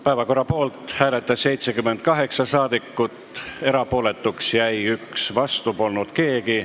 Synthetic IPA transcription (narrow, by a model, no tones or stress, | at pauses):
pæevɑko̞rːɑpo̞ːlt̪hæːle̞t̪ːˑɑsːe̞jt̪sekymːend̪̥̚kɑɦe̞ksɑsɑːd̪̥ikːˑut̪ːˑe̞ɾɑpo̞ːle̞t̪ːˑuksjæjyksvɑst̪upo̞lnud̪̥ke̞ːɡi